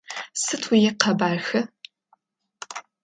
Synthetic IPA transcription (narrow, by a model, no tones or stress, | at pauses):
sɨtʰwijɛqɐbaːrxɐ